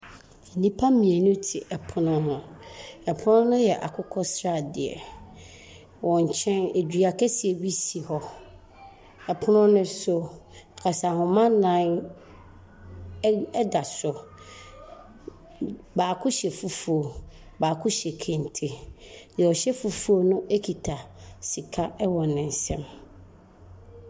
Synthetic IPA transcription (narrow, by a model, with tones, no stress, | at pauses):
nĩ˦pʰa˦mĩ˨ɛ˨nʊ̃˦tʰɪ˨ʔɛ˨pʰʊ˦nʊ̃˦hʊ̃˨ɛ˨pʰʊ˦nʊ̃˦nʊ̃˦jɛ˨ʔa˨kʰʊ˦kʰɔ˦sɾa˦˨dɪ˨ɛ̰˨ | wɔ̃˨ɲ̩˨t͡ɕʰɛ̃˦ne˨dᶣi˨a˨kʰɛ˦sɪ˨ɛ˨ɥi˦si˨hɔ˦ | ɛ˨pʰʊ˦nʊ̃˦nʊ̃˦so˨kʰa˨sa˨hʊ̃˨mã˦nlã˦n | ɛ˦da˨sʊ˨ | baː˨kʰʊ˦ɕɛ˨fu˦fu˦o˨ | baː˨kʰʊ˦ɕɛ˨kʰɛ̃˨n˨tʰe˨ | dɔ˨ɕɛ˦fu˦fu˦o˦nʊ̃˦ʔe˦kʰi˨tʰa˨si˨kʰa˦ɛ˦wɔ̃˨nɪ̃˨n̩˨sɛ̃˦m